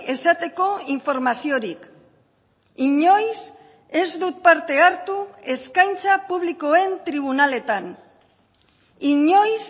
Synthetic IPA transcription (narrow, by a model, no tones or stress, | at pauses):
e̞sat̪e̞ko̞iɱfo̞ɾmasio̞ɾik | iɲo̞js | e̞zd̪ut̪̚paɾt̪e̞aɾt̪ue̞skajnt͡sapuβliko̞e̞nt̪ɾiβ̞unale̞t̪an | iɲo̞js